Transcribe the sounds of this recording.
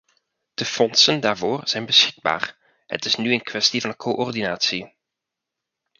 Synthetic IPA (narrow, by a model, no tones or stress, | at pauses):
d̥əfɔnsəndaːɹvoːrz̥ɛjnbəsxɪɡ̚ba̰ːr | hə̰tɪsnyənkʋɛstivɑnkʰoʔɔrdinaːtsi